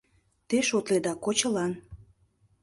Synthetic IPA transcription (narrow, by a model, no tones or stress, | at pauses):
t̪eʃot̪led̪ɑkot͡ɕəlɑn